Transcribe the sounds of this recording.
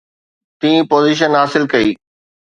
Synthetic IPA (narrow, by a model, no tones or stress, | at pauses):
t̪ĩːpoːziːʃ̬ənɦaːsɪlkɐiː